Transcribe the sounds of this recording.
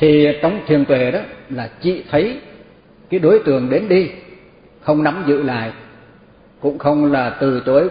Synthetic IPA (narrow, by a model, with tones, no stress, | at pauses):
t̪ʰi˨˩t͡ɕɔ˧wŋ͡mt̪ʰi˨˩ənt̪we˨˩ɗɔ˨˦laː˨˩t͡ɕḭ˧˨t̪ʰə˨˦j | kaː˨˦jɗo˨˦jt̪ɨ˨˩əŋɗe˨˦nɗi˧ | xə˧wŋ͡mna˨˦mzɨ̰˧˨la̰ː˧˨jʔ | kʊ̰˧˥ŋ͡mxə˧wŋ͡mlaː˨˩t̪ɨ˨˩t̪o˨˦